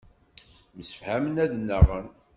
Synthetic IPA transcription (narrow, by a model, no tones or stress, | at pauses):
məsə̥fhæmənæðnːəʁən